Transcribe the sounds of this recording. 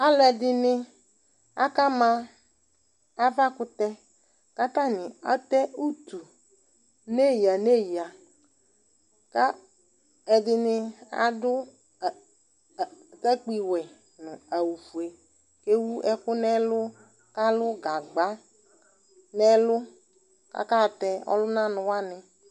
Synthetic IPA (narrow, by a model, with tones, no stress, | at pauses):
a˦lɛ˨dɪ˦nɪ˦ | a̰˦ka˦mã˦ | a˦va˦kʊ˦t̪ɛ˦ | ka˦ta˦nɪ̃˨a̰˦t̪ɛ˦u˦t̪u˨ | ne˦ji˨a˨ne˦ji˨a˨ | ka˦ | ɛ˨dɪ˦nɪ˦a̰˨dʊ˦˨ | tɛ˦k͡pi˨wɛ˨ | nʊ̃˨a˨wu˨fu˨e˨ | ke˦wu˦ɛ˦kʊ˦nɛ˦lʊ˦ | ka˦lʊ˦ɡa˨ɡ͡ba˦ | nɛ˦lʊ˦ | ka̰˦ka˦˨tɛ˦ɔ̰˦lʊ˦nã˦nʊ̃˨wa˦nɪ˦